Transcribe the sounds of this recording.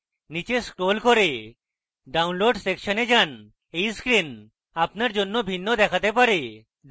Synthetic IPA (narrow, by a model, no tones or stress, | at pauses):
nit͡ɕeskɾolkoɾe | ɖawnloɖsekʃɔned͡ʑan | ejskɾin | apnaɾd͡ʑonːobʱinːod̪ɛkʰat̪epaɾe